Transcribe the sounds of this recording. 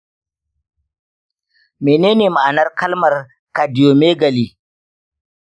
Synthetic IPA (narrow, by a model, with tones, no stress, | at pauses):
meː˨neː˦neː˨ma˨ʔa˨nɐ˦rkɐ˦lmɐ˨r | ka˨dɪ˨oː˨meː˦ɡɐ˨li˦